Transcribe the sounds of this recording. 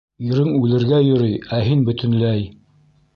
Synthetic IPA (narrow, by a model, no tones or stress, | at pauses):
iɾɘŋʉlɘ̆ɾɡæjɵ̆ɾɤjæɦinbɵ̆t̪ɘ̆nlæj